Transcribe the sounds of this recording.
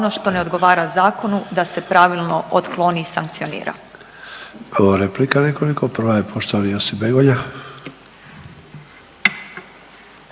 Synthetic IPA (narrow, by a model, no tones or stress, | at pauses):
onoʃt̪o̞ne̞o̞d̪ɡo̞ʋaːɾazaːko̞nud̪ase̞pɾaʋilˠnoʔot̪klˠoniːsaŋk̚t̪sionḭːɾa̰ | oʋaɾeplikanekolikopr̩ʋajepʰoʃt̪oʋalijosibeɡoɲa